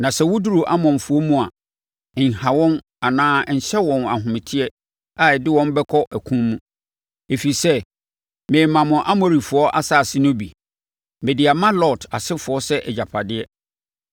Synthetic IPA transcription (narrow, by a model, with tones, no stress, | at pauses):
nã˨sɛ˦wʊ˦du˦ɾu˨ʔa̰˦mɔ̃˨m˨fʊ˨˦ɔ˦mũ˦a˨ | n̩˨ha˨wɔ̃˦n | a˨nãː˦˨n̩˨ɕɛ˦wɔ̃˨na̰˨ɦʊ̃˨mɪ̃˨tʰɪ˦ɛ˦ | a˨ɛ˨dɪ˦wɔ̃˦m˦bɛ˦kʰɔ˦ʔæ˨kʰũ˦mmũ˦ | e˨fi˨sɛ˦ | mẽː˨mã˨mʊ̃˨ʔa˦mo˨ɾi˨fʊ˨ɔ˦ʔa̰˦sa˦˨sɪ˦nõ˦bi˨ | mɪ̃˨dɪ˨a˨mã˦lɔ˦˨tʰa˨sɪ˦fʊ˨ɔ˦sɛ˦ʔɛ˨d͡ʑa˨pʰa˨dɪ˦ɛ˦